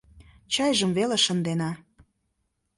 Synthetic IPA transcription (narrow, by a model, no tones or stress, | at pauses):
t͡ɕɑjʒəmveleʃə̆nd̪enɑ